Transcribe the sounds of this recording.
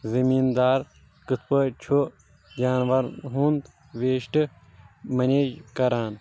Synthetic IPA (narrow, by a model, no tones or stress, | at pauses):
zɐmiːnd̪aːɾ | kɨt̪ʰpɐt͡ʃʰo | d͡ʒaːnʋɐɾɦuːnd̪ | ʋeːʃʈɨ | mɐnekɐɾaːn